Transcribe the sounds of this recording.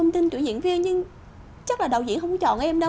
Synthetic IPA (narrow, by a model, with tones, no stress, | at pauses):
wŋ͡mt̪i˧nt̪wḭ˧˩˦zḭ˧˨ənvi˧ənɲɨ˧ŋ | t͡ɕə˦˥k̚laː˨˩ɗə˨˩wzḭ˧˥ənɦə˧wŋ͡mkt͡ɕɔ̰˧˨nʔʔɛ˧mɗə˧